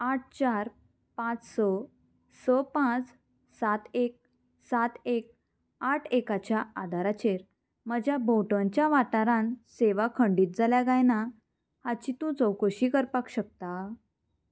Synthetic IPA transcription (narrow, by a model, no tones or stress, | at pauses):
aʈ̚ʰt͡ɕaɾ | pãt͡ssɔ | sɔpãt͡s | sat̪ek̚ | sat̪ek̚ | aʈʰekat͡ɕjaad̪ʱaɾat͡ɕeɾ | məd͡ʑjabʱoʈəɲt͡ɕjaʋaʈaɾãnseʋakʰəɳɖiːt̪̚d͡zaljaɡajna | hat͡ɕit̪ũd͡zɔwkoɕiːkəɾpakɕək̚t̪a